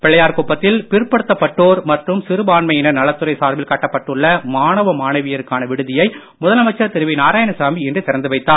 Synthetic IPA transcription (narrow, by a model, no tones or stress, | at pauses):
pɛɭːɐjaːɾkuːpːɐt̪ːɪlpɪɾɯpːɐɽɯt̪ːɐpːɐʈːoːɾmɐʈrɯmsɪɾɯbaːnmɐjɪnɐnɐlɐt̪ːɯɾɐɪsaːɾbɪlkɐʈːɐpːɐʈːɯɭːɐmaːnɐʋɐmaːnɐʋɪjɐɾɯkːaːnɐʋɪɽɯðɪjɐɪ | mʊðɐlɐmɐɪt͡ʃːɐt̪ɪɾɯʋinaːɾaːjɐnɐsaːmiɛndrɯt̪ɪɾɐnd̪ɯʋɐɪt̪ːaːn